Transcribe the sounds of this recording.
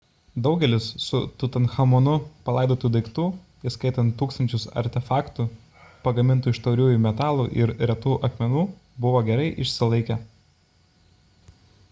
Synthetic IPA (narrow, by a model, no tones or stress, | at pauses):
d̪ɒʊɡʲɛlʲɪsːʊt̪ʊt̪ɐnxɐmoːnʊpɐlˠɐˑɪd̪oːt̪uːd̪ɐɪkt̪uː | ɪskɐɪt̪ɐnt̪ːuːkst̪ɐnʲt͡ʃʲʊsɐ̰ɾʲt̪ʲɛfɑːkt̪uː | pɐɡɐmʲɪnˑt̪uːɪʃt̪ɐʊɾʲuːjumʲɛt̪ɑːlˠuːʔɪɾɾʲɛt̪uːʔɐkmʲɛnuː | bʊʋoːɡʲɛɾɐɪʔɪʃʲsʲɪlˠɐɪkʲɛ